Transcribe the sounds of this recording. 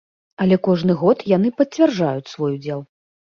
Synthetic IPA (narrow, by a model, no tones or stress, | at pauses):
ɐlʲɛkɔʐnɨɣɔt̪jan̪ɨpɐt͡sʲvʲɛrʐajut͡sʲsvɔjud͡zʲɛlˠ